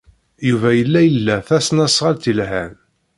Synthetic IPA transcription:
juvæjəlːæjəlːæθæsnæsʁəlt̪ilɦæn

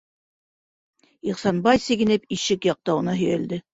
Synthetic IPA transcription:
iqsɑnbɑjsɘ̆ɡɘ̆nɘpiʃɘkjɑq̚t̪ɑŭnɑɦɵ̆jæld̪ɘ

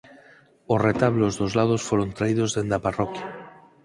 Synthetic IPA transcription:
osret̪aβlozðozlað̞osfoɾont̪ɾaið̞ozðend̪aparɔkja

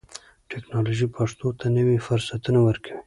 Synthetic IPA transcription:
ʈɛknɑloʒipʰaʂt̪ot̪ʰanəwifʊɾsat̪unawəɾkʰawi

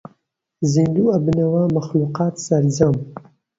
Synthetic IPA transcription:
zind̪uːɐbɨnɐwaːmɐxluːqɑːt̪sɐɾd͡ʒɐm

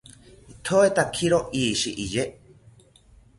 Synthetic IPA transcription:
it̪ʰoet̪akʰiɾoʔiːʃiʔije

